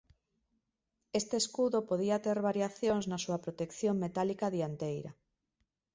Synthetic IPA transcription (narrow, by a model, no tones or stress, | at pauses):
est̪eːskuðopoðiat̪eɾβaɾjaθjoŋznasuɐpɾot̪ekθjoŋmet̪alikaðiant̪ejɾɐ̰